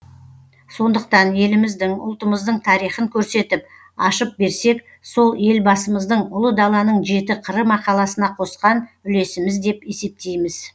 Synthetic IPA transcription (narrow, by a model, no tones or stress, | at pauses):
so̞nd̪əq̚t̪ɑnje̞lɪmɪzd̪ɪŋʊ̰lˠt̪əməzd̪əɴt̪ʰɑɾijχəŋkʲʰɵɾse̞t̪ɪp̚ | ɑ̰ʃəp̚be̞ɾse̞k | so̞lˠe̞lbɑsəməzd̪əɴʊlˠəd̪ɑlˠɑnəɴʒe̞t̪ɪqʰəɾəmɑqɑlˠɑsənɑqʰo̞sqɑnʏle̞sɪmɪzd̪e̞pe̞se̞p̚t̪e̞jmɪz